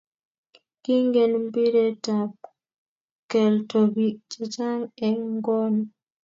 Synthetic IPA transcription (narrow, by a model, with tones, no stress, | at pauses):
ki˦ŋɡe˨nmbi˦ɾe˦ta˨p̚ | kɛ˨lto˨bi˨k̚t͡ʃa˨t͡ʃa˦ŋɛ˨ŋɡɔ˦n